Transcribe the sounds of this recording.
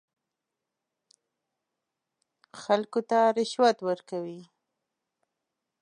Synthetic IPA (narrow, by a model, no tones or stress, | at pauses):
xalkot̪aɾɪʃwat̪wəɾkawi